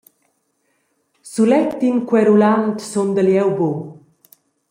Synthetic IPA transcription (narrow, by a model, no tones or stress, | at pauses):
sulɛkt̪ːinkwɛɾulant̪sond̪əljɛwbo